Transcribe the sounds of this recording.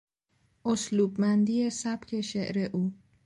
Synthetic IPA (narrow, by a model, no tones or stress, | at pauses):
ʔosluːbmænd̪iːesæbcʰe̞ʃeʔɾeʔuː